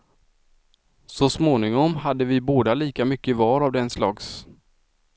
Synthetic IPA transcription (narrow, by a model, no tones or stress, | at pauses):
sɔsmoːnɪŋɔmhad̪ːəvɪboːd̪aliːkamʏkːəɪvɑːɾavd̪ɛnslɑːɡs